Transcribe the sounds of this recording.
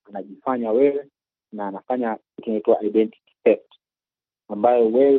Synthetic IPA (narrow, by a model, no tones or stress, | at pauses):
anaʄifaɲawɛwɛ | naːnafaɲa | ukinaituaʔaiɗɛnti̥ktɛft | ambajɔwɛw